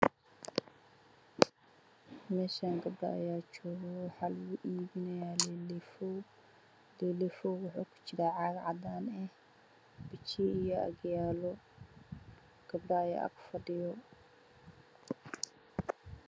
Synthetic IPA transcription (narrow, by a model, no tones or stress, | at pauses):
mɛːʃaːŋɡɐbɖɐ̰ɐ̰jaːt͡ʃɔːɣɔwħaːlʊɣʊʔiːβɪnɛjaːllf | lɛlɛfɔːwʊħuːkʰʊ̥t͡ʃɪɾaːʕɑɡʕɑd̪aːnɛh | b̥ɪt͡ʃʰiːijɔɐ̰ɡjaːlɔ | ɡ̥ɐbɖɐɐja̰ːkʰʊ̥fɐɖɪjɔ